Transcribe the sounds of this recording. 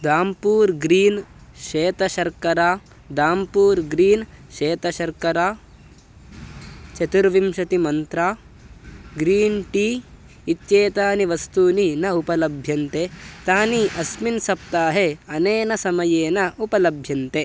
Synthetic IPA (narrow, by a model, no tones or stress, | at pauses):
d̪aːmpuːɾɡɾiːnʃeːt̪ɐʃɐɾkɐɾaː | d̪aːmpuːɾɡɾiːnʃeːt̪ɐʃɐɾkɐɾaː | t͡ʃɐt̪uɾʋimʃɐt̪imɐnt̪ɾaː | ɡɾiːnʈiː | it̪t͡ʃeːt̪aːniʋɐst̪uːninɐupɐlɐbʱjɐnt̪et̪aːniʔɐsminsɐp̚t̪aːɦeɐneːnɐsɐmɐjeːnɐupɐlɐbʱjɐnt̪e